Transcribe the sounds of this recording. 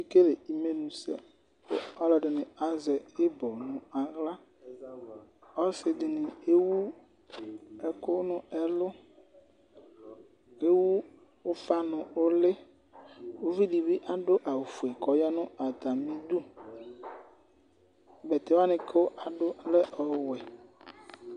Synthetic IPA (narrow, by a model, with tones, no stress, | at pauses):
i˦ke˦le˨i˨me˨nũ˨sɛ̰˨ | o˦ɔ˦lɛ˨ɖɪ˨nɪ̃˨a˦zɛ˨e˦bɔ˨nʊ̃˨a˨ɣla˦ | ɔ˦sɪ˨dɪ˨nɪ̃˨e˦wu˦ | ɛ˨ko˦nʊ̃˦ɛ˨lʊ˦ | e˦wu˦ | o˦fa˦nʊ̃˨o˦lɪ˦ | wo˦vi˦ɖi˨bi˦ʔa˨ɖʊ˦ʔa˨wu˨fu˨e˨kɔ˨jɔ˦nʊ̃˦a˨t̪a˨mĩ˦d̪u˦ | bɛ˨t̪e˨˦wa˦nɪ̃˨ke˦o˦ʔa˨ɖʊ˦lɛ˦ʔɔ˨wɛ˨